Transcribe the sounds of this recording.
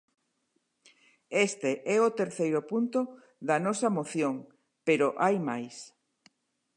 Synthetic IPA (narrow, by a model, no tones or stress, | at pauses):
est̪eʔɛot̪eɾθejɾʊpunt̪o | ðɐnɔsɐmoθjoŋ | peɾoʔajmajs